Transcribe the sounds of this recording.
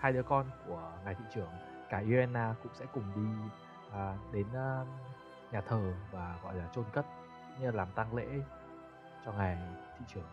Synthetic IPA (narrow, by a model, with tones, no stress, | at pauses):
haː˧jɗɨ˨˦əkɔ˧nku˧˩əŋa˨˩jt̪ʰi˧˨t͡ɕɨ˧˩əŋ | kaː˧˩ʔi˧ɛ˧nʔaː˧kʊ̰˧˥ŋ͡msɛ̰˧˥kʊ˨˩ŋ͡mɗi˧ | ʔɗe˨˦nː˧ | ɲaː˨˩t̪ʰəː˨˩vaː˨˩ɣɔ̰˧˨jlaː˨˩t͡ɕo˧nkə˦˥t̚ | kʊ̰˧˥ŋ͡mɲɨ˧laː˨˩mt̪a˧ŋlḛ˧˥ | t͡ɕɔ˧ŋa˨˩jt̪ʰḭ˧˨t͡ɕɨ˨˩əŋ